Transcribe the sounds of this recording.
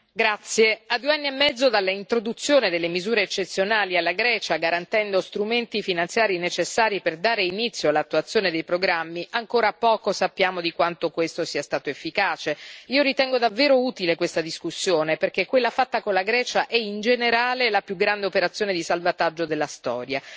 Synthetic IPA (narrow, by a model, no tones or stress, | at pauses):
ɡɾat̪sːjead̪ːueanːiemːɛd̪zːod̪alːaint̪ɾod̪ut̪sːjoːned̪elːemizuːɾeːt͡ʃːet̪sːjonaːlialːaɡɾɛːt͡ʃaɡaɾant̪ɛnd̪ost̪ɾument̪ifinant̪sjaːɾinet͡ʃesːaːɾiperd̪aːɾeinit̪sːjoalːat̪ːuat̪sːjoːned̪ejpɾoɡɾamːiʔaŋkoːɾapɔːkosapːjaːmod̪ikwant̪okwest̪osiːast̪aːt̪oefːikaːt͡ʃeiːoɾit̪ɛŋɡod̪avːeːɾouːt̪ilekwest̪ad̪iskusːjoːneperk̟ekːwelːafat̪ːakonlaɡɾɛːt͡ʃaʔɛind͡ʒeneɾaːlelapjuɡɾand̪eopeɾat̪sːjoːned̪isalvat̪ad͡ʒːod̪elːast̪ɔ̰ːɾja